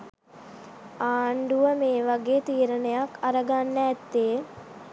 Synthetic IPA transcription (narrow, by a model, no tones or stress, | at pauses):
aːɳɖuʋəmeːʋaɡeːt̪iːɾənəjakaɾəɡanːəːt̪ːeː